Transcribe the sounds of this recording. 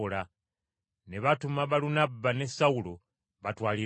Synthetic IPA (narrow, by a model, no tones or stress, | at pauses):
la | neβatumaβalunabanesaulo | βatwaːli